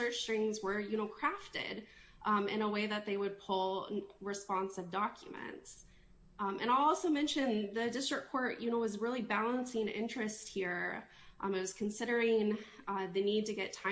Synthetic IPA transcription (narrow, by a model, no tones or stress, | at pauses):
ɜ˞t͡ʃtɹɪ̃ŋzwə˞jɨñoʊkʰɹ̥æftɪ̰ɾ | ɨ̰̃ɾ̃əweɪðɨt̪̚ðeɪwɨd̚pʰʊlˠɹɨspɑ̃nsʌvdɑkʰjɨmɨ̰̃nts | ʔɨ̰̃ɾ̃aɪɔlˠsoʊmɛ̃nʃɨ̃nðɨdɪstɹ̥ɨkʰːɔɹʔjɨnoʊwʌzɹɪlˠibælˠə̃nsɪ̃ŋɪ̰̃nt͡ʃɹ̥ɨst̚hiɹ | ʔmɨt̚wʌz̥kʰn̩sɪɾə˞ɪ̃ŋ | ðɨnid̚tɨɡɛtʰãɪ̃